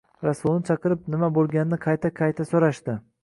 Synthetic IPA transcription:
ɾasulˠnɪt͡ʃʰɑqɨɾɪp̚nɪmabolˠɡʲanɪnɪqʰɑjt̪ʰaqʰɑjt̪ʰasoɾaʃt̪ɪ

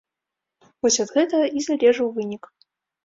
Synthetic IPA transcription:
vɔsʲɐd̪ɣɛt̪ɐizalʲɛʐɨwvɨnʲik

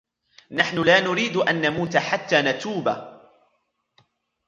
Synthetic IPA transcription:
naħnʊlaːnʊɾiːd̪ʔanːamuːt̪aħat̪ːaːnat̪uːba̰

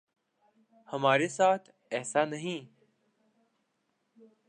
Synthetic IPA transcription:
həmaːɾesaːt̪ʰ | ɛːsanəɦĩː

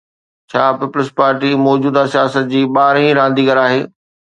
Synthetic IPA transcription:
t͡ɕʰaːpiːpʊlɪspaːɾʈimɔːd͡ʑuːd̪asijaːsət̪̚d͡ʑiːɓaːɾĩɾãːn̆d̪iːɡəɾaːɦeː

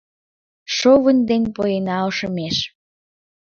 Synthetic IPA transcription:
ʃoβənʲd̪enpojenɑoʃə̆meʃ

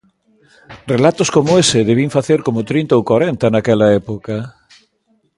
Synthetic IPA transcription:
relat̪oskomoesɪðeβiɱfaθeɾkomʊt̪ɾint̪aowkwaɾent̪ɐnakɛlɐɛpokɐ

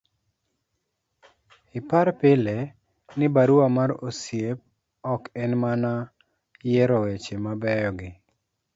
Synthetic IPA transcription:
ɪpaɾpɪle | nɪbaɾuamaɾosjep̚ | ɔkɛnmana | jɛɾɔwet͡ʃemabɛjɔɡɪ

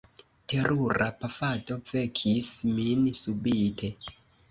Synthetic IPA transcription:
te̞ɾʔuɾapafato̞ve̞kʰisminsubitʰe̞

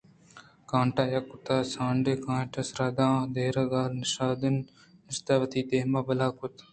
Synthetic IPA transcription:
kãːɳʈaːjɐkʊt̪aːsãːɳɖekãːʈɐsɾaːd̪ãːd̪eːɾɐɡaːlnɐʃaːd̪ɪn | ɪst̪aːʋɐt̪iːd̪eːɦmaːbɐlaːkʊt̪

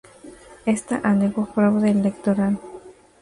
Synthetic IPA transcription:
est̪a̰ʔaneɣopɾaβðelekt̪oɾal

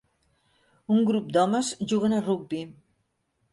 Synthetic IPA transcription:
uŋɡɾup̚d̪ɔməzʒuɣənəruɡ̚bi

